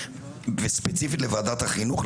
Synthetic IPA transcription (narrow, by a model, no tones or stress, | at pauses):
vespet͡sifit̪levaːd̪at̪haχinuχ